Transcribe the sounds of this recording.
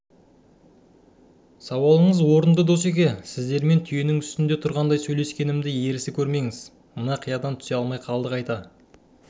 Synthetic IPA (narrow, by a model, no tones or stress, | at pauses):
sɑwɑlˠəɴəzwo̞ɾənd̪əd̪o̞se̞k̬ʲesɪzd̪e̞ɾme̞nt̪ʰʏje̞nɪŋʏst̪ɪnd̪e̞t̪ʰʊɾʁɑnd̪ɑjsɵjle̞skʲe̞nɪmd̪ɪje̞ɾɪsɪkʲʰɵɾme̞ŋɪz | mənɑqʰijɑd̪ɑnt̪ʰʏ̥seɑlˠmɑjqʰɑlˠd̪əqɑjt̪ɑ